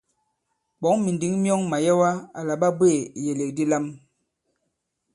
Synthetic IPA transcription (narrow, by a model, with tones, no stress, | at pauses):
ɓɔ˨˦ŋmi˨ndi˨˦ŋmjɔ˦ŋma˨jɛ˦wa˦a˨la˨ɓa˦bwe˦˨je˨le˨k̚di˦la˦m